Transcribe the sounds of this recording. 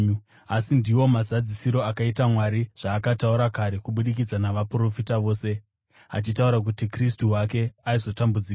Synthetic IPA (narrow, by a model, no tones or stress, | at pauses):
asindiwo̞mazad͡zisiɾo̞akaitamwaɾiʐ̥aːkatauɾakaɾe̞kuɓuɗik̬id͡zanaʋapuro̞fitaʋo̞ːse̞ | a̰t͡ʃitauɾak̬utikristuwake̞aizo̞tambud͡ziːka